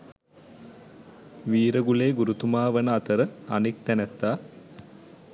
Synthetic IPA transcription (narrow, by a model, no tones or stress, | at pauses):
ʋiːɾəɡuleːɡuɾut̪umaːʋənəat̪əɾəanik̚t̪ænæt̪ːaː